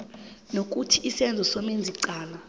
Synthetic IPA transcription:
nok̬utʰiʔːsɛnd͡zʱɔsomend͡zʱiǀaːla

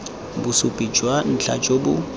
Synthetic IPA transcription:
bʊsʊpʼid͡ʒʼwan̩t͡ɬʰa̰t͡ʃʼobʊ

